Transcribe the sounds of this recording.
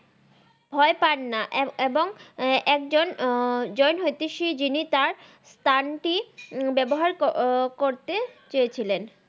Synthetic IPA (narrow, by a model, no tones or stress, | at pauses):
bʱɔepaɾnaʔeboŋɛkd͡ʑond͡ʑɔjnɦojt̪iʃid͡ʑinit̪aɾ | st̪ʰanʈibɛboɦaɾkoɾt̪et͡ɕojet͡ɕʰilen